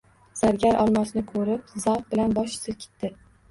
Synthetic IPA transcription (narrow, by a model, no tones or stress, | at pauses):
saɾɡʲaɾʔɒlˠmasɪnɪkʰɵɾɪp̚zawf̚bɪlanbɒʃsɪɾkʲʰɪ̥t̪ʰːɪ